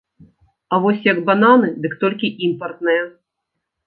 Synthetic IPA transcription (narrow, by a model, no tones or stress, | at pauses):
avɔsʲjɐɡbananɨd̪ɨkt̪ɔlʲkʲiʔimpɐrt̪nɨjɛ